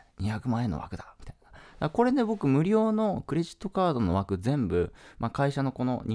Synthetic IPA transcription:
ɲiçakɯ̟mãe̞nːo̰a̰kɯ̟d̪amʲi̥t̪ain̥ad̪̥ako̞ɾe̞nebo̞kɯ̟mɯ̟ɾʲo̞ːno̞kɯ̟ɾe̞ʑi̥t̪ːo̞kaːd̪o̞no̞βakɯ̟zẽ̞mbɯ̟makaiɕano̞ko̞no̞̰ɲʲ

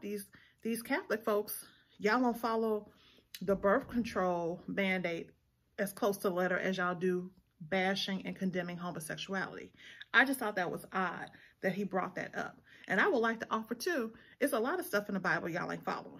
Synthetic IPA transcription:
ðiz | ðiz̥kʰæθlɨkfoʊks | jɑlˠə̃fɑlˠoʊ | ðəbɜ˞θkʰn̩tʰɹ̥oʊlˠmæ̃ndeɪɾ̚ | ɨz̥kʰl̥oʊstʰəəlɛɾə˞ʔɨzaɪlˠdɨ | bæʃɪ̃ŋɨ̰̃nkʰɨ̃ndɛ̃mɪ̃ŋɦoʊ̃mɨsɛkʃuæ̰lˠə̰ɾḭʔaɪd͡ʒʌst̪θɔt̪̚ðɨt̚wʌ̰zɑ̰d̚ðɨt̚ɦibɹɔ̰t̪̚ðɨ̰ɾʔʌ̰p̚ʔɨ̃ñaɪwədˡlaɪk̚tʰəʔɔfə˞tʰʉʔɨtsəlɑɾʌv̥stʌfn̩ðəbaɪbl̩ˠjɑ̰lˠɨ̰̃ŋfɑ̰lˠo̰ʊ̃

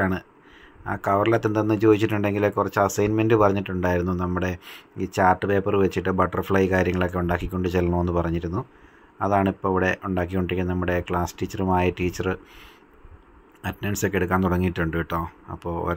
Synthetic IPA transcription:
aːɳɨ | a̰ːkɐʋɐrɐlɐt̪ːent̪ɐnːɨt͡ɕo̞ːðit͡ɕːiʈːuɳɖe̞ŋɡilkːkurɐt͡ɕːɐsɐjnmendɨpɐrɐɲːiʈːuɳɖaːjiɾunːunɐmːuɽe̞t͡ɕaːrʈːɨpe̞ːpɐrɨʋet͡ɕːiʈːɨbɐʈːɐrfɭɐjkaːɾjɐŋːɐɭo̞kːe̞uɳɖaːkːikʲːo̞ɳɖɨt͡ɕelːɐnoːnːɨpɐrɐɲːiɾunːu | ɐðaːɳipːoːiʋiɽe̞ʔuɳɖaːk̬ːikʲːuɳɖikʲːɐnɐmːuɽe̞kɭaːstiːt͡ɕːɐrumaːjɐʈiːt͡ɕːɐrɨ | ɐtnɐnso̞kːeɽukːaːnt̪uɽɐŋːiːʈːuɳɖɨʋiʈːoːɐ̰pːo̞ːo̰ɾ

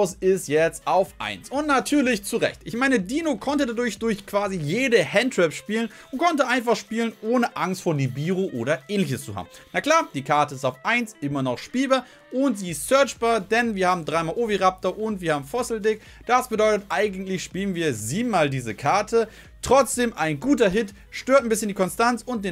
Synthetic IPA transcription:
sɪstjɛt͡staʊfʔa̰ɪnsʔʊntnatʰyːɐlɪçt͡suʁɛ̰çtʔɪçmaɪnədiːnokʰɔntədadʊɐçd̥ʊɐçkv̥aːzijeːdəhɛntʁ̥ɛpʃpiːlənʔʊnt̚kʰɔntəʔaɪnfaχʃpiːlənʔoːnəʔaŋstfoːɐnibiːʁoʔoːɾɐʔɛːnlɪç̬əst͡suha̰ːbm̩nakl̥aːɐd̥iːkʰaɐtəɪstaʊfʔaɪnsʔɪmɐnɔχʃpiːlbaːɐ | ʔʊntz̥iːstsœɐt͡ʃb̥aːɐdɛnviːɐhaːbm̩dʁaɪmaːlʔoːbiʁap̚tɐʔʊntv̥iːɐhaːm̩fɔsl̩dɪk | d̥asb̥ədɔʏtətʔaɪɡŋn̩tlɪçʃpiːlənviːɐziːbm̩aːldiːzəkʰaɐtʰə | tʁ̥ɔt͡sd̥eːmʔaɪnɡuːtɐɦɪt | ʃtøːɐtnbɪsçəndiːkʰɔnstant͡sʊnt̚d̥eːn

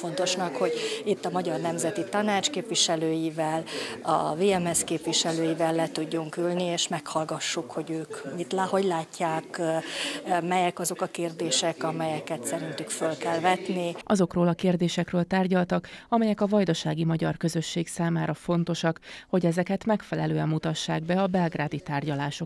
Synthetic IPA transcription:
fo̞nt̪o̞ʃnɒkho̞ɟit̪ːɒmɒɟɒrnɛmzɛt̪it̪ɒnaːt͡ʃkeːpʋiʃɛløːjivɛlɒ̰veːɛmɛskeːpʋiʃɛløːjivɛlːɛt̪uɟːuŋkylnieːʃmɛkhɒlɡɒʃːukho̞ɟøːkit̪lho̞ɟlaːcːaːk | mɛjɛkɒzo̞kɒkeːrd̪eːʃɛkɒmɛjɛkɛt̪sɛɾint̪ykfølkɛlvɛt̪niʔɒzo̞kroːlɒkeːrd̪eːʃɛkrøːlt̪aːrɟɒlt̪ɒkɒmɛjɛkɒvɒjd̪oʃaːɡimɒɟɒrkø̞zø̞ʃːeːksaːmaːɾʔɒfo̞nt̪o̞ʃɒkho̞ɟɛzɛkɛt̪mɛkfɛlɛløːɛmːut̪ɒʃːaːɡ̚bɛɒbɛlɡraːd̪it̪aːrɟɒlaːʃo̞k

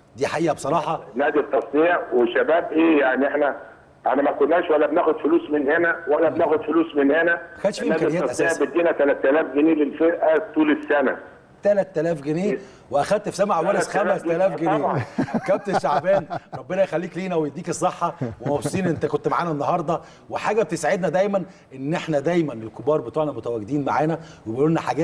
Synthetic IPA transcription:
d̪iːħaʔiːʔæbesˤɑɾˤɑːħɑnæːd̪it̪ˤːɑsˤnejæweʃːæbæːbʔeːjaʕniʔeħnæ | ʔeħnæmækonːæːʃwælːæbnæːxod̪foluːsmenhenæwælːæbnæːxod̪foluːsmenhenæxæːd̪ʃfinæːkæijæt̪ːʔæsejæbed̪ːiːnæt̪ælæt̪ːælæːfɡeniːlelfeɾʔæt̪ˤuːlesːænæ̰ | t̪ælæt̪ːælæːfɡeniː | weʔæxæd̪̚t̪fisæmaʕawwæːlesxæmæst̪ælæːfɡeneːkæb̚t̪eʃaʕbæːnɾˤɑbːenɑjexælːiːkliːnæwejed̪ːiːkesˤːeħːɑwemæfsˤiːnʔent̪ækont̪maʕaːnænːɑɦɑɾˤd̪ˤɑ | weħaːɡæb̚t̪esaʕed̪næd̪æjmænʔenːʔeħnæd̪æjmænelkobɑːɾˤbet̪ˤuːʕnɑmot̪æwæɡed̪iːnmaʕaːnæwebeʔoːnːæħaɡæː

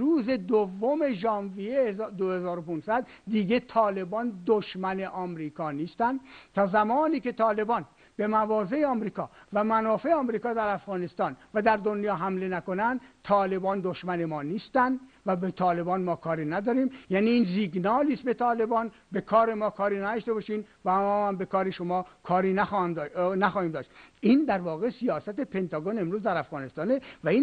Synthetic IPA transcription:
ɾuːze̞d̪ovːome̞ʒɒːnvijezd̪ohezɒːɾopunsæd̪d̪iːɡet̪ʰɒːle̞bɒːnd̪oʃmæne̞ʔɒːmɾiːkʰɒːniːst̪ænd̪t̪ʰɒːzæmɒːniːke̞t̪ʰɒːle̞bɒːn | b̥e̞mævɒːze̞eɒːmɾiːkʰɒːvæmænɒːfe̞eɒːmɾiːkɒːd̪æɾæfɣɒːne̞st̪ɒːnvæd̪æɾd̪onjɒːɦæmle̞næko̞nænd̪t̪ʰɒːle̞bɒːnd̪oʃmæne̞mɒːniːst̪ænd̪væbet̪ʰɒːle̞bɒːnmɒːkʰɒːɾiːnæd̪ɒːɾiːmjæːniːnziɡnɒːliːsbe̞t̪ʰɒːle̞bɒːn | be̞kʰɒːɾemɒːkʰɒːɾiːnæd̪ɒʃt̪e̞bɒːʃiːnvæmɔːhæmbe̞kɒːɾeʃomɒːkʰɒːɾiːnæxd̪næxɒːhiːmd̪ɒːʃt̪iːnd̪æɾvɒːɣe̞sijɒːsæt̪epʰe̞nt̪ʰɒːɡone̞mɾuːzd̪æɾæfɣɒːnest̪ɒːnevæiːn

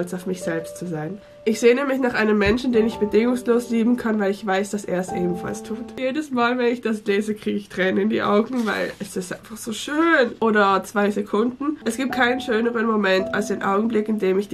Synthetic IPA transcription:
lt͡saʊfmɪçz̥ɛlpstt͡suzaɪn | ʔɪçz̥eːənəmlɪç̬naːχʔaɪnəmːɛnʃn̩deːnɪçb̥ədɪŋʊŋsloːsliːbm̩kʰanvaɪlɪçv̥aɪsd̥asʔḛːɐɛsʔḛːbm̩fa̰lstʰuːtjeːdəsmaːlvɛnɪçd̥asleːzəkʁ̥iːɡəɪçtʁ̥ɛːnənɪndḭːʔa̰ʊɡŋ̩va̰ɪlɛsɪstʔaɪnfaχz̥oːʃøːnʔoːɾɐt͡sv̥aɪzekʰʊndn̩ʔɛsɡ̥iːp̚t̚kʰaɪnənʃøːnəʁənmomɛntʰalsd̥eːnʔa̰ʊɡŋ̩blɪkɪndeːmɪç̥

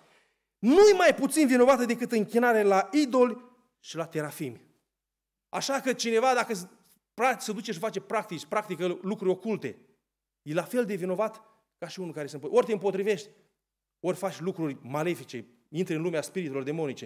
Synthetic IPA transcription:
nujemajput̪sinvino̞vat̪əd̪e̞kɨt̪ɨŋkʲinaɾelaid̪o̞lʲ | ʃilat̪e̞ɾafimʲ | aʃakət͡ʃine̞vad̪akə | pɾasəd̪ut͡ʃeʃ̬ifat͡ʃepɾak̚t̪it͡ʃʲpɾakt̪ikəlukɾuɾʲo̞kult̪e̞ | jelafe̞ld̪e̞vino̞vat̪ | kaʃiunukaɾesənmpʔort̪eɨmpo̞t̪ɾive̞ʃt̪ʲ | o̞rʲfat͡ʃʲlukɾurʲmale̞fit͡ʃe̞ | int̪ɾəɨnlumeaspiɾit̪ulo̞rd̪e̞mo̞nit͡ʃe̞

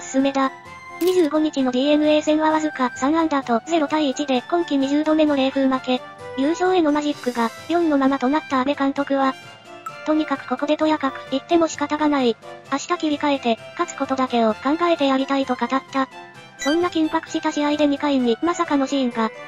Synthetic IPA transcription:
sɨ̥sɨme̞d̪a | ɲ̟iʑɨːɡo̞ɲ̟it͡ɕino̞d̪ʲiːe̞mɯ̟e̞ːsẽ̞ɰ̃βaβazɨkasãɰ̃ãnd̪at̪o̞ze̞ɾo̞t̪aiːt͡ɕid̪e̞kõ̞ŋkʲiɲ̟iʑɨːd̪o̞me̞no̞ɾe̞ːɸɯ̟ːmake̞ | jʲɯ̟ːɕo̞ːe̞no̞maʑikːɯ̟ɡajõ̞nno̞mamat̪o̞nat̪ːaːbe̞kãnt̪o̞kɯ̟βa | t̪o̞ɲ̟ikakɯ̟̥ko̞ko̞d̪e̞t̪o̞jakakɯ̟̥it̪ːe̞mo̞ɕi̥kat̪aɡanaiaɕi̥t̪akʲibʲikae̞t̪e̞kat͡sɨ̥ko̞t̪o̞d̪ake̞o̞kãŋɡae̞t̪e̞jaɾʲit̪ait̪o̞kat̪at̪ːa | sõ̞nːakʲĩmpakɯ̟ɕit̪aɕiaid̪e̞mʲikaiɲ̟imasakano̞ɕiĩŋɡa

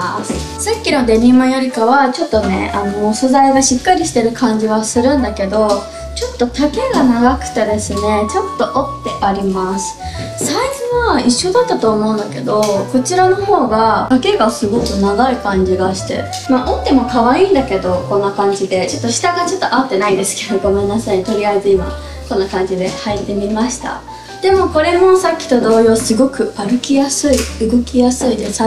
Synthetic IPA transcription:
s | sakʲːino̞d̪e̞ɲʲĩmojoɾʲikaβat͡ɕo̞t̪ːo̞ne̞̰ano̞sozaiɡaɕikːaɾʲiɕi̥t̪e̞ɾɯ̟kʰãɲ̟d͡ʑiɡasɨɾɯ̟̃nd̪ake̞d̪o̞ | t͡ɕo̞t̪ːo̞t̪ake̞ɡanaɡakɯ̟̥t̪e̞d̪e̞sɨne̞t͡ɕo̞t̪ːo̞ʔot̪ːe̞ʔaɾʲimasɨ̥ | saizɨβaiɕːo̞d̪at̪ːat̪o̞ːmo̞ɯ̃nd̪ake̞d̪o̞ko̞t͡ɕiɾano̞ho̞ːɡakake̞ɡasɨɡo̞kɯ̟naɡaikãɲ̟d͡ʑiɡaɕi̥t̪e̞̰ | maːʔot̪ːe̞mo̞kaβaĩːnd̪ake̞d̪o̞kõ̞nːakãɲ̟d͡ʑid̪e̞t͡ɕo̞t̪ːo̞ɕi̥t̪aɡat͡ɕo̞t̪ːo̞ʔat̪ːe̞naind̪e̞sɨ̥ke̞ed̪o̞ɡo̞mẽ̞nːasaɲ̟it̪o̞ɾʲiaizɨima̰ | kõ̞nːakãɲ̟d͡ʑid̪e̞hait̪ːe̞mʲimaɕi̥t̪a̰ | d̪̥e̞mo̞ko̞ɾe̞mo̞sakʲːi̥t̪o̞d̪o̞ːjo̞sɨɡo̞kɯ̟aɾɯ̟kʲijasɨiɯ̟ɡo̞kʲijasɨid̪e̞s

